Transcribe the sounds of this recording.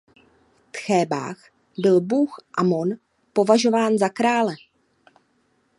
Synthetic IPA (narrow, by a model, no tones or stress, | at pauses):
ft̪xɛːba̰ːx | bɪlbuːxʔamo̞n | po̞vaʒo̞vaːnzakɾaːlɛ